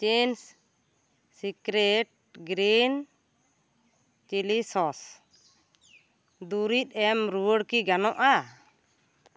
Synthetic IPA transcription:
t͡ʃens | sikɾɛʈ̚ɡɾin | t͡ʃilisɔs | d̪uɾit̪̚ˀɛmɾuwəɽkiɡanɔʔa

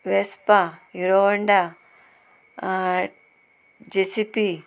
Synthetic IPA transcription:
ʋespajuɾoʋɐɳɖa | d͡ʒesipi

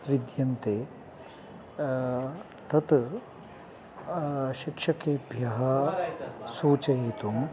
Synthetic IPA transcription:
t̪ɾid̪jɐnt̪eː | t̪ɐt̪ | ʃikʂɐkeːbʱjɐɦɐ | suːt͡ʃɐjet̪um

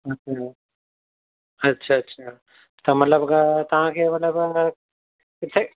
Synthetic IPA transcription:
ɐtːʰa | ɐtːʃʰaɐtːʃʰa | t̪omɐt̪ləbkat̪ɐɦãkemɐt̪ləba | ɪt̪ʰe

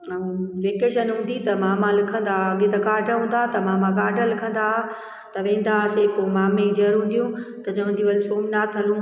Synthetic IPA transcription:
ʋeːkeːʃənɦũːnd̪it̪ɐmãːmãlɪkʰə̃nd̪aɐɡẽt̪ɐɡaːɖʱəɦũːn̆d̪at̪ɐmãːmãɡaːɖəlɪkʰə̃nd̪a | t̪ɐʋẽːn̆d̪asekomaːmẽd̪əɾɦũːnd̪ijũt̪ɐd͡ʑɐʋə̃nd̪iʋɐlsoːmnat̪ʰɐlũ

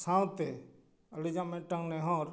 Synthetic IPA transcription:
sãːwt̪e | əlid͡ʒãːmẽːʈə̃ŋɡnẽɦõːɾ

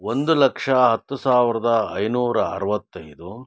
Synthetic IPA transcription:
o̞nd̪ulɐkʂɐɦɐt̪ːusaːʋiɾɐd̪ɐɐjnuːɾɐːɾɐʋɐt̪ːɐjd̪u

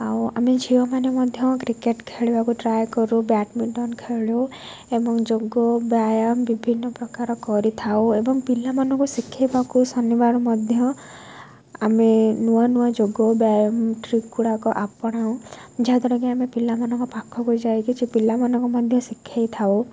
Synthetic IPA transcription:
ɦawa̰med͡ʒʱiɔmanemɔd̪ʱjɔkɾikeʈkʰeɭibakuʈɾajkɔɾubaʈmiʈɔnkʰeɭu | ebɔŋd͡ʒoɡɔbjajɔmbibʱinːɔpɾɔkaɾɔkɔɾit̪ʰawebɔŋpilamanɔŋkusikʰːibakusɔnibaɽ̃ɔmɔd̪ʱjɔ | a̰menuwanuwad͡ʒoɡɔbjajɔmʈɾikːuɽakɔʔapɔɽ̃aw̃d͡ʒaɦad̪ɔɽɔkeamepilamanɔ̃ŋkɔpakʰːɔɦojd͡ʒajkit͡ʃʰipilamanɔŋkɔmɔd̪ʱjɔsikʰːajt̪ʰaw

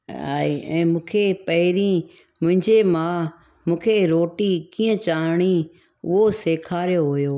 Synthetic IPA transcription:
a̰ːiɛ̃ːmũːkʰepɐɦɪɾĩ | mʊ̃ɦɪ̃ɲd͡ʑemã | mũːkʰeɾoːʈikiːə̃t͡ɕaːɦɽ̃i | ʊɦoseːkʰaːɾjoɦʊjoː

